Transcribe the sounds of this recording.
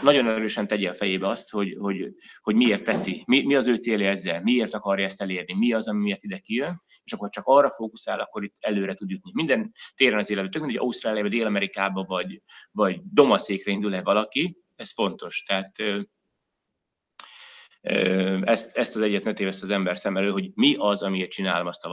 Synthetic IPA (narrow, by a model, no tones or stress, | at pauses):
nɒɟo̞nɛɾøːʃɛnt̪ɛɟɛɒfɛjeːbɛɒst̪ho̞ɟho̞ɟho̞ɟmieːrt̪ʋɛsimimiɒzøːt̪seːlɛɛzːɛlmieːrt̪ɒkɒrjɒɛst̪ɛleːrnimiɒzɒmimijɛt̪id̪ɛkijøn | eːʃɒkːot͡ʃɒkɒrːɒfoːkusaːlɒ̰kːo̞ɾit̪ːɛløːɾɛt̪ud̪ut̪nimind̪ɛnt̪eːɾɛnɒzeːlɛt̪bɛt̪økmiɟɒ̰ust̪raːlijbɒd̪eːlɒmɛɾikaːbɒvɒɟvɒɟd̪o̞mɒseːkrɛind̪ulɛvɒlɒki | ɛsfo̞nt̪o̞ʃt̪ɛaːt̪ø | øɛst̪ɛst̪ɒzɛɟːɛt̪nøt̪eːvɛst̪ɒzɛmbɛrsɛmɛløːɦo̞ɟmiʔɒzɒmieːrt̪t͡ʃina̰ːlomɒst̪ɒ